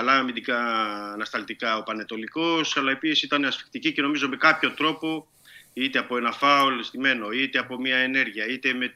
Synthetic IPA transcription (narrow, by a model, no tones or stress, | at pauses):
ɐlɐmiðikɐːnɐst̪ɐlt̪ikɐo̞pɐne̞t̪o̞liko̞sɐlɐe̞pisisit̪ɐne̞ɐsfi̥kt̪icice̞no̞mizo̞me̞kɐpço̞t̪ɾo̞po̞ | it̪eɐpo̞e̞nɐfɐolest̪ime̞no̞it̪e̞ɐpo̞mɲɐene̞ɾʝiɐit̪e̞me̞